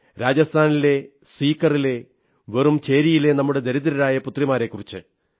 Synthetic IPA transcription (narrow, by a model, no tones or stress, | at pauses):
ɾaːd͡ʑɐst̪ʰaːnile̞ | spiːkːɐrile̞ | ʋerumt͡ɕe̞ːɾijile̞nɐmːuɽe̞d̪eɾiðɐɾɐɾaːjɐput̪rimaːɾe̞kːurit͡ɕːɨ